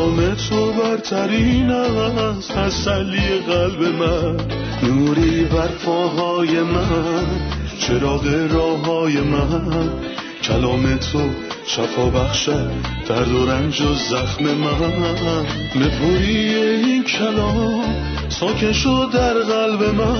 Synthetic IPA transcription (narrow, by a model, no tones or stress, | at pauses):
me̞t̪ʰobæɾt̪ʰæɾinæs | æzsæhliːjeɣælbe̞mæ | nuːɾibæɾfɒːɦɒːjemænt͡ʃʰe̞ɾɒːɣeɾɒːɦɒːje̞mæn | cʰælɒːme̞t̪ʰo | ʃæfɒːbæχʃæd̪̥æɾd̪oɾænd͡ʒozæxme̞mæ | bepʰoɾieinkʰælɒː | sɒːkʰeʃod̪æɾɣælbe̞mæ